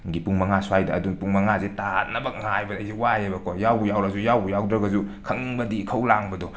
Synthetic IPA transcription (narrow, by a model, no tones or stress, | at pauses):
ɡipuŋmɐŋasuajdaːduŋpuŋmɐŋazetat̚nɐbɐk̚ŋajbɐdazewajebɐkɔjawbujawɾɐzujawbujawdɾɐɡɐzukʰɐŋbɐdikʰɐwlaŋbɐdɔ